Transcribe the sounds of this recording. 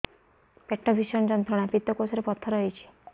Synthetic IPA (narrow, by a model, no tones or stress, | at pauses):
peʈːɔbʱiʃɔnd͡ʒɔnt̪ʰɔɽ̃apit̪ɔkosɔɾepɔt̪ʰːɔɾɔɦit͡ʃʰi̥